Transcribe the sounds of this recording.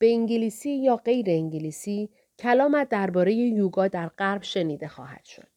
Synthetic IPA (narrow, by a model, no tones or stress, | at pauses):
b̥e̞iŋɟiliːsiːjɒːɢe̞jɾe̞iŋɟiliːsiː | cʰælɒːmæt̪̚d̪æɾbɒːɾe̞je̞juːɡɒːd̪æɾɢæɾbʃe̞niːd̪e̞xɒ̰ːhæ̰d̪̥ʃo̰d̪̥